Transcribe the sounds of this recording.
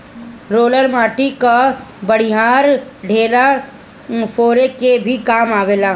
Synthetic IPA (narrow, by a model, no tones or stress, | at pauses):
ɾoːləɾmaːʈikabəɽ̤iɦaːɾɖʱeːla | fʰoːɾekebʱikaːmaːʋeːlaː